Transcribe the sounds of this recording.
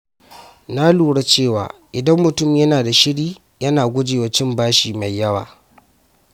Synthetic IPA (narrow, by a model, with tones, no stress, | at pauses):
naː˦luː˨ɽa˦t͡ʃeː˦˨wa̰ː˨ʔɪ˨dɐ˦mːʊ˨tʊ˦mjɐ˦naː˨da˨ʃɪ˦ɽiː˦ | jɐ˦naː˨ɡʷʊ˦d͡ʒeː˨wɐ˨˦t͡ʃɪ˦mbaː˦ʃiː˨ma˨jːɐ˦wa̰ː˨